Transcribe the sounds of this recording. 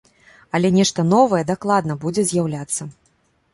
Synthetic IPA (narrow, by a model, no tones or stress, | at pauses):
ɐlʲɛnʲɛʂt̪ɐnɔvɐjɛd̪aklˠad̪nɐbud͡zʲɛzʲjawlʲat̪sːɐ